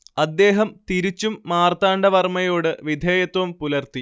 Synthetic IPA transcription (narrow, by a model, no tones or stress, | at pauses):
ɐd̪ːe̞ːɦɐmt̪iɾit͡ɕːumːaːrt̪aːɳɖɐʋɐrmɐjo̞ːɽɨʋid̪ʱeːjɐt̪wɐmpulɐrt̪i